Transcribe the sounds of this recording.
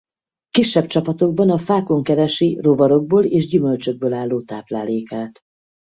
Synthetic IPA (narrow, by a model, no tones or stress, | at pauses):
kiʃːɛb̚t͡ʃɒpɒt̪o̞ɡ̚bɒnɒfaːko̞ŋkɛɾɛʃirovɒɾo̞ɡ̚boːleːʒɟymø̞lt͡ʃø̞ɡ̚bøːlaːlːoːt̪aːplaːleːkaːt̪